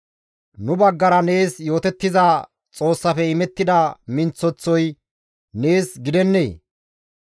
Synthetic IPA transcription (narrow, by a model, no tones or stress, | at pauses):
nʊbɐɡːɐɾɐne̞ːsjo̞ːt̪ɛt̪ːɪza | t͡sʼo̞ːsːɐfɛɪmɛt̪ːɪd̪ɐmɪnt͡sːɔt͡sːɔj | ne̞ːsɡɪd̪ɛnːḛː